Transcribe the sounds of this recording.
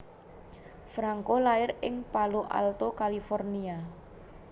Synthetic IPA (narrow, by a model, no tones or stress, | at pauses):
fɾaŋkolaɪrɪŋpaloʔa̰lt̪okalifɔrnia